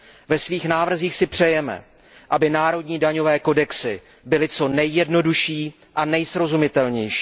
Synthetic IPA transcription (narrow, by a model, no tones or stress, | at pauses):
vɛsviːxnaːvr̩ziːxsɪpr̝̥ɛjɛmɛ̰ | ʔabɪnaːɾo̞dɲiːdaɲo̞vɛːko̞dɛksɪ | bɪlɪt͡so̞nɛjːɛdno̞duʃiː | ʔanɛjsɾo̞zumɪt̪ɛlɲɛjʃi̥ː